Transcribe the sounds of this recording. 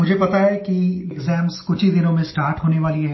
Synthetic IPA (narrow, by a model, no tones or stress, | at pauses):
mʊd͡ʒʱepɐt̪aɦɛkieɡzɛːmzkʊt͡ʃʰid̪ɪnõmẽsʈaːɾʈɦoːneʋaːliɦɛː